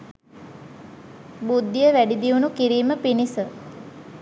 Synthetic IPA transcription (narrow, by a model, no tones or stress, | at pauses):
bud̪ːijəʋæɖid̪iunukiɾiːməpinisə